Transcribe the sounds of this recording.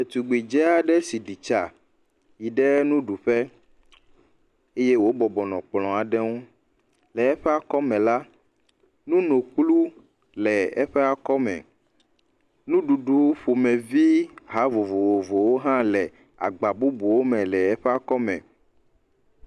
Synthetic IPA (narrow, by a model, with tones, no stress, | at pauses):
e˨t̪u˨ɡ͡bi˨d͡ʒɛ˦a˨ɖɛ˦si˨ɖi˨t͡ʃa˨ | ji˨ɖɛ˦nũ˦ɖu˨ɸɛ˦ | e˦je˦wo˦bɔ˨bɔ˨nɔ̰̃˨k͡plɔ̃˨a˨ɖɛ˦ŋo˦ | lɛ˨ɛ˦ɸɛ˦a˦kɔ˦mɛ̃˨la˦ | nũ˦nõ˨k͡plu˦ | lɛ˨ɛ˦ɸɛ˦a˨kɔ˦mɛ̰̃˨ | nũ˦ɖu˨ɖu˨wɸo˨mɛ̃˨vi˦ɦa˨˦vo˨vo˨wo˨vo˨wo˦ɦã˦lɛ˨ | a̰˨ɡ͡ba˨bu˦bu˨wo˦mɛ̃˨lɛ˨ɛ˦ɸɛ˦a˦˨kɔ˦mɛ̰̃˨